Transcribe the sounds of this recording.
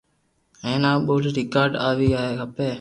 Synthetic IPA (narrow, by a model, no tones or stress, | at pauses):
eːnaːɓoːlɾikaːɾɖaːʋiːaːɦeːkɐpeː